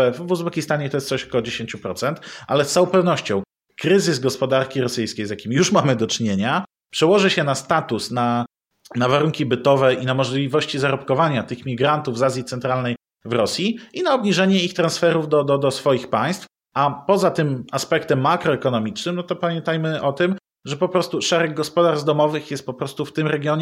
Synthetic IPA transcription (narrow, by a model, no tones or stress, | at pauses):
ɛvvwuzbɛkʲist̪aɲɛt̪ɔjɛst̪sɔɕɔ̥kɔɔd͡ʑeɕeɲt͡ɕupɾɔt̪sɛnt̪ʔa̰lɛst̪saw̃pɛvn̪ɔɕt͡ɕɔ̃w̃ | kɾɘzɘzɡɔspɔd̪aɾkʲiɾɔsɘjskʲejzjakʲimʲijuʂmamɘd̪ɔt͡ʂɲeɲa | pʂɛwɔʐɘɕɛnast̪at̪usna | navaɾuŋkʲibɘt̪ɔvɛʔinamɔʐlʲivɔɕt͡ɕizaɾɔpkɔvaɲat̪ɘxmʲiɡɾant̪uvzazʲjit̪sɛnt̪ɾalnɛj | vɾɔsʲjiinaɔbɲiʐɛɲɛixt̪ɾansfɛɾuvd̪ɔd̪ɔd̪ɔsfɔjixpaj̃st̪f | ʔapɔzat̪ɘmaspɛkt̪ɛmːakɾɔɛkɔnɔmʲit͡ʂnɘmnɔt̪ɔpamʲjɛ̃nt̪ajmɘʔɔt̪ɘm | ʐɛpɔpɾɔst̪uʂɛɾɛɡ̚ːɔspɔd̪aɾzzd̪ɔmɔvɘxjɛst̪̚pɔpɾɔst̪uft̪ɘmɾɛɡʲjɔɲɛ